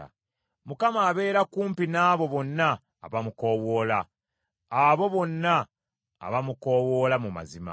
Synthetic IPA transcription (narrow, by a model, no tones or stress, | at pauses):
a̰ | mukamaːβe̞ːɾakuːmpinaːβo̞βo̞nːa̰ː | βamuko̞wo̞ːla | aβo̞βo̞nːa̰ː | βamuko̞ːwo̞ːlamuma̰zima̰